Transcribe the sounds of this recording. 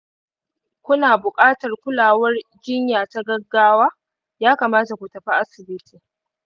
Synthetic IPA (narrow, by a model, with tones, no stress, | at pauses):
kʷʊ˦naː˨bʊ˨kʼaː˦tɐ˨rkʷʊ˦laː˨wɐ˦rd͡ʒɪ˦ɲjaː˨ta˦ɡɐ˦ɡːaː˦waː˦ | jaː˦kaː˨maː˦ta˨kʷu˨tɐ˨ɸa˦ʔa˦sɪ˨bɪ˦tiː˨